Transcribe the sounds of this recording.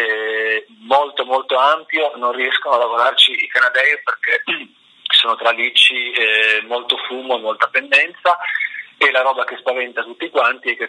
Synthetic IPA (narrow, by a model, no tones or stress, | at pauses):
ɛ | molt̪omolt̪oampjononriɛskonoalːavoɾart͡ʃiikanad̪ɛjperke | soːnot̪ɾalit͡ʃːiɛmolt̪ofuːmoemːolt̪apend̪ɛnt̪saelaɾɔːbak̟espavɛnt̪at̪ut̪ːikwant̪iɛkːe